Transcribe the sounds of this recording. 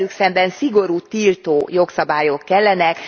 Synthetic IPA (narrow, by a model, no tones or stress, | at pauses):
lyksɛmbɛnsiɡo̞ɾuːt̪iːlt̪oːjo̞ksɒbaːjo̞kːɛlːɛnɛk